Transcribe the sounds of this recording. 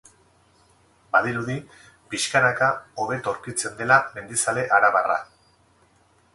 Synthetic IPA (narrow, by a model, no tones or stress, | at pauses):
baðiɾuði | piʃkanakao̞βe̞t̪o̞ɾkit͡se̞nd̪e̞lame̞nd̪isale̞ʔaɾaβara̰